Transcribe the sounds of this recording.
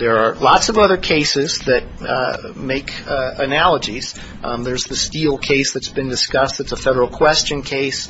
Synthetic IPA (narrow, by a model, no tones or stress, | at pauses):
ðə˞ːlɑtsʌvʌðə˞kʰeɪsɪzðɨt̚meɪkɨnælˠəd͡ʒiz̥ | ðə˞zðɨstilˠkʰeɪsðɨtsb̥ɨ̃ndɨskʌstɨtsəfɛɾə˞l̩ˠkʰw̥ɛst͡ʃɨ̃nkʰeɪs